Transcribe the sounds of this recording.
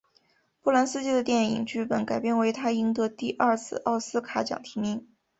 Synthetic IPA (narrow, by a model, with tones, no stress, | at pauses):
pu˥˩la˧˥nsɹ̩˥˧t͡ɕi˥˩d̪ə˩t̪jɛ˥˩nḭ˨˩˦ŋt͡ɕy˥˩pə˧˥nka˨˩ɪpjɛ˥˩nwe˧˥ɪt̪ʰa˥i˧˥ŋt̪ɤ˧˥t̪i˥˧ʔɐ˞˥˧t͡sʰɹ̩˥˧ʔɑ˥˩ʊsɹ̩˥kʰa˧˥t͡ɕjɑ̰˨˩ŋt̪ʰi˧˥mi˧˥ŋ